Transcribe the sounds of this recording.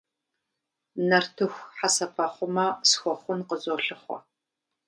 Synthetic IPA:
nɐrtʰɨxʷħasɐpʰɐχʷʊmɐsxʷɔχʷʊnqəzoɬɨχʷɔ̰

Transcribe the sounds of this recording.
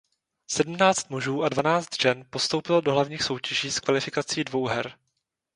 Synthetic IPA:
sɛdm̩naːt͡st̪̚muʒuːʔadvanaːt͡st̪ʒ̥ɛnpo̞st̪owpɪldoɦlavɲiːxso̞wcɛʒiːskvalɪfɪkat͡siːdvo̞wɦɛɾ

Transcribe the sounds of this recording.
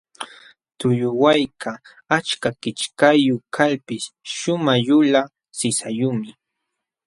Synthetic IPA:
t̪ʊjʊwajkʰa | at͡ʃkakɪt͡ʃkajʊkʰalpɪsʃʊmaʎʊla | sɪsajʊmɪ

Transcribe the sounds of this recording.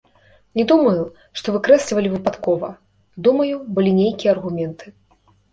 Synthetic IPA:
nʲɛd̪umɐju | ʂt̪ɔvɨkɾɛsʲlʲvɐlʲivɨpat̪kɔvɐ̰ | d̪umɐjubɨlʲinʲejkʲijɛɐɐrɣumʲɛnt̪ʰɨ

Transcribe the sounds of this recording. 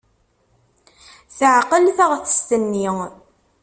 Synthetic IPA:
θəʕqəlθaʁθə̥st̪ənːi

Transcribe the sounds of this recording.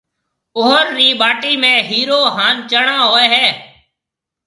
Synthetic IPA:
oːəɾːiːɓaːʈiːmẽːɦiːɾoːɦaːnt͡ʃəɳãːɦoːeːɦɛː

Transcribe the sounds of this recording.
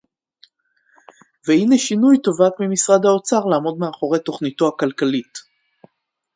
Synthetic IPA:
vehineʃinujt̪o̞vat̪mimisʁad̪hao̞t͡saʁlaːmo̞d̪meaχo̞ʁe̞jt̪o̞χnito̞akalkalit

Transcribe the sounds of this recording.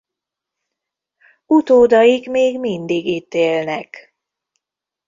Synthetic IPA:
ut̪oːd̪ɒjikmeːɡmind̪iɡit̪ːeːlnɛk

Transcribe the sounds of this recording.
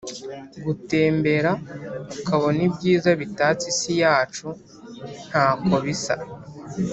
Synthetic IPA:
ɡute̞ːmbe̞ɾaukaβo̞nibɟiːzaβitaːt͡sisijaːt͡ʃu | n̥haːkoβisa̰

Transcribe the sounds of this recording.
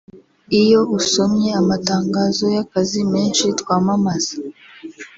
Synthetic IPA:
ijo̞uso̞mɲe̞amataːŋɡaːzo̞jakazime̞ːnʃitkwaːmamaz̥ḁ

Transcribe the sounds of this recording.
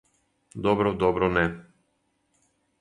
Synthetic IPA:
d̪ɔbɾɔd̪ɔbɾɔnɛ

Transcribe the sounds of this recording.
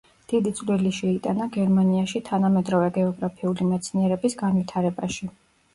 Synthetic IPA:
d̪̥id̪it̪sʼliliʃɛit̪ʼanaɡɛɾmaniaʃit̪ʰanamɛd̪ɾɔvɛɡɛɔɡɾapʰiulimɛt̪sʰniɛɾɛbisɡanvit̪ʰaɾɛbaʃi

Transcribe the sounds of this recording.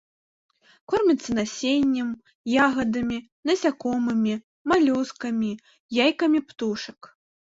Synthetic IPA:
kɔrmʲɐt̪sːɐnasʲenʲːɐm | jaɣɐd̪ɐmʲi | nɐsʲakɔmɨmʲi | malʲuskɐmʲi | jajkɐmʲipt̪uʂɐk

